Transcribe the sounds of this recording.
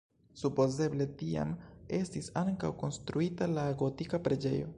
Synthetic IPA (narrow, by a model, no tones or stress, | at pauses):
supo̞ze̞ble̞tia̰me̞stisaŋkawko̞nstɾuitalaɡo̞tikapɾe̞d͡ʒe̞̰jo̞̰